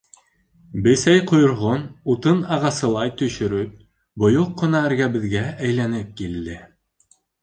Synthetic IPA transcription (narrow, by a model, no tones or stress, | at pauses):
bɘ̆sæjqŏjŏɾʁonut̪ɤnɑʁɑsɤ̆lˠɑjt̪ɵ̆ʃɵ̆ɾɵp̚ | bŏjoqːŏnɑæɾɡæbɘ̆ðɡææjlænɘp̚kild̪ɘ